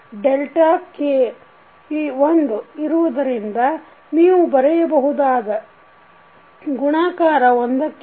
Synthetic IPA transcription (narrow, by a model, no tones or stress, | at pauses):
ɖelʈaːke | iːond̪uiɾuʋɐd̪ɐɾind̪ɐ | niːʋubɐɾɛjɐbɐɦud̪aːɡɐ | ɡuɳaːkaːɾɐond̪ɐkː